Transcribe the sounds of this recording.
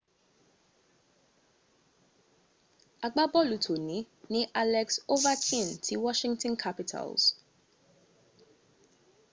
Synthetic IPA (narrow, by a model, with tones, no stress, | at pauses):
a˨ɡ͡ba˦bɔ˦lu˨tʰo˨nĩ˨ | nĩ˦ʔa˦lɛkso˦vatʰĩ˦˨ntʰi˦wɔʃĩŋtɔ̃nkʰapitʰa̰lz̥